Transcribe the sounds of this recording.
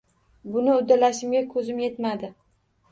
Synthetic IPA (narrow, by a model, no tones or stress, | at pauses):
bʊnɪʊd̪ːalaʃɪmɡʲakʰɵzɪmje̞t̪mad̪ɪ